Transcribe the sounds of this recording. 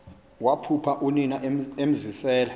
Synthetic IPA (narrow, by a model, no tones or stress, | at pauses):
wapʰupʰaʔuninaem̩zisɛːla